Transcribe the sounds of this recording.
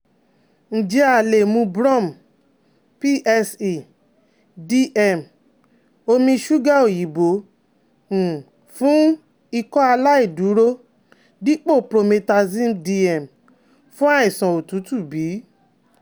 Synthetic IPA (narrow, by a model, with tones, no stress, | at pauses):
n̩˨d͡ʒe˧a˨le˨mũ˧bɾɔ̃˦˨m˨ | pi˦ʔɛ˧si˨ | di˧ʔɛ˦˨m | o˧mĩ˧ʃu˦ɡa˦˨o˦˨ji˨bõ˨˦˨ | fũ˦ | i˧kɔ˦a˧la˦i˦˨du˨˦ɾo˦ | di˦k͡po˦˨pɾo˧me˧ta˧zĩ˦mdi˧ɛ˨m | fũ˦a˦i˨sã˨o˨tu˨˦tu˦˨biː˨˦